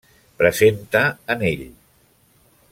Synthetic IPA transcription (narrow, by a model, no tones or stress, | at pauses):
pɾəzent̪əːneʎ